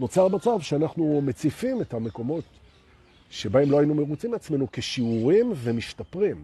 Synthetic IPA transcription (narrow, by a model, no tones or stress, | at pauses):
no̞t͡saʁmat͡savʃeanaχnume̞t͡sifime̞thame̞ko̞mo̞t | ʃe̞baemlo̞ajinume̞ʁut͡simleat͡sme̞nukeʃiuʁimve̞miʃtapʁim